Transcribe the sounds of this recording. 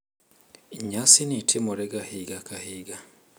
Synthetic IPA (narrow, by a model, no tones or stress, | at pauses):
iɲasinitʰemoɾɛɡahiɡakahiːɡa